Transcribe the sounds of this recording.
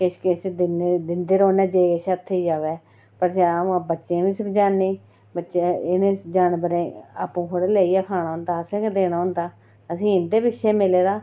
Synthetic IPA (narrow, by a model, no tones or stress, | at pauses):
kɪʃkɪʃd̪ɪned̪ɪnd̪eːɾoːnɛːd͡ʒeːkɪʃət̪ʰːeid͡ʒaːʋɛː | pəɾsebətːʃẽːʋĩːsbd͡ʒaːnːiː | bətːʃeɪnẽːd͡ʒaːnbəɾẽːa̰ːpũːkoɽeːleːiːaːkʰaːnãːɦʊ̃nd̪aːəsẽːkd̪eːnaːʊ̃nd̪aː | əsĩːɪnd̪eːbɪtʃʰeːmɪleːɾaː